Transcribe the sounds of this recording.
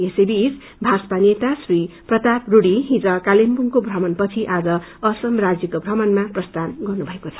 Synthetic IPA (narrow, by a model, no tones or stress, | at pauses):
esebis | bʱaspanet̪asriprʌt̪apruɽiɦĩd͡zʌkalempuŋkobʱrʌmʌnpʌt͡sʰiʔad͡zʌ | ʌsʌmrad͡zjʌkobʱrʌmʌnmaprʌst̪ʰanɡʌrnubʱʌekot͡sʰʌ̥